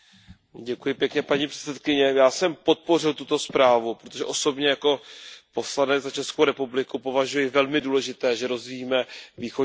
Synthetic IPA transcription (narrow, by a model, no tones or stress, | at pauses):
ɟɛkujɪpjɛkɲɛpaɲipr̥ɛ̥t̪sɛt̪kɪɲɛjaːsɛmpo̞t̪̚po̞r̝ɪlt̪ut̪o̞spɾaːvupɾot̪o̞ʒɛʔo̞so̞bɲɛjako̞po̞slanɛd͡zzat͡ʃɛskowɾɛpublɪkupo̞vaʒujɪvɛlmɪduːlɛʒɪt̪ɛːʒɛɾo̞zviːmɛviːxo